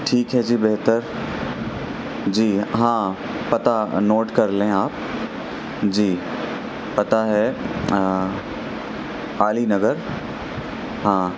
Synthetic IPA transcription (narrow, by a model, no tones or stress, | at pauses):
ʈʰiːkɦɛd͡ʒiːbɛɦt̪əɾ | d͡ʑiːɦãː | pɐt̪anoːʈkɐɾleẽaːp̚ | d͡ʑiː | pɐt̪aɦɛ | aːlinɐɡəɾ | ɦãː